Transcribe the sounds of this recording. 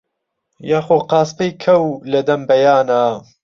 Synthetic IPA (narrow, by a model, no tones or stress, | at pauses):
jaːxoːqɑːspɐjkʰɐwlɐd̪ɐmbɐjaːna